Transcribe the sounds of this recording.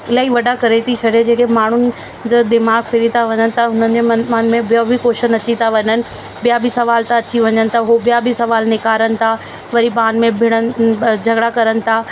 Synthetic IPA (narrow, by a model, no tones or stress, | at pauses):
ɪlaːɦiʋɐɖʱakɐɾet̪ʰit͡ɕʰɐɖed͡ʑeːkemaːɳ̤ʊnɪ̆ | d͡ʑaːd̪ɪmaːɡfɪɾit̪ʰaʋɐɲənɪ̆t̪ʰaɦʊn̤ənɪ̆d͡ʑemãːn̆mẽbɪjobʱikoːʃənɐt͡ɕit̪ʰaʋɐɲənɪ̆ | bijabʱisɐʋaːlt̪aɐt͡ɕiʋɐɲənɪ̆t̪ʰaɦobijabʱisɐʋaːlnɪkaːɾənɪ̆t̪ʰa | ʋɐɾipaːnmẽbʱɪɽ̃ən̆d͡ʑʱɐɡɽakɐɾənɪ̆t̪ʰa